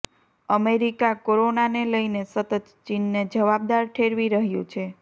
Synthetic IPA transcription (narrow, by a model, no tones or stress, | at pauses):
əmeɾikakoɾonaneləjnesət̪ət̪t͡ʃinːed͡ʒəʋab̚d̪aɾʈʰeɾʋiɾəɦjṵ̃t͡ʃʰe